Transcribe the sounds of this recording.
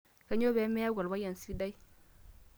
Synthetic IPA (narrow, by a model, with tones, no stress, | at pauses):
ka˦ɲo˦be˨˦me˦a˦ɡa˨lba˦ja˨n˨si˦da˦j